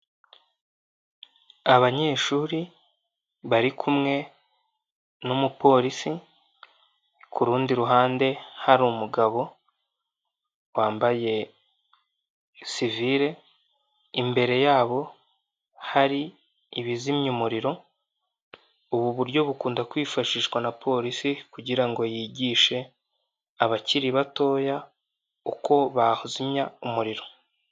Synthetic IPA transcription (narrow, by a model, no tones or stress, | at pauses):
aβaɲe̞ːʃuːɾi | βaɾikʰumŋe̞ | numupo̞ːɾisi | kʰuɾuːndiɾuɦaːnde̞haɾumuɡaβo̞ | waːmbaje̞ | siviɾe̞ | imbe̞ɾe̞jaːβo̞ | haɾi | iβizimɲumuɾiɾo̞ | uβuβuɾɟo̞βukuːndakwiːfaʃiːʃɡwanapʰo̞ːɾisikuɟiɾaŋɡo̞jiːɟiːʃe̞ | aβaciɾiβato̞ːja | uko̞βahuzimɲaumuɾiɾo̞